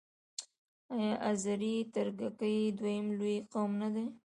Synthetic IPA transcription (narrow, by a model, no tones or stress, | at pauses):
ajɑʔazaɾit̪aɾɡakəjd̪wajəmlojqawmnad̪e